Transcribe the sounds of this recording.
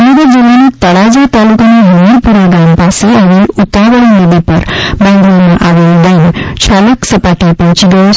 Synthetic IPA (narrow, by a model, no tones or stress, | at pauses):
muɡəɾd͡ʒilanit̪əɽad͡ʑat̪alukaneɦumiɾpuɾaɡampaseaʋelut̪aʋəlmed̪ipə̰ɾbãj̃nd̪amaʔaʋeldaint͡ɕʰaləksəpaʈipĩt͡ɕiɡə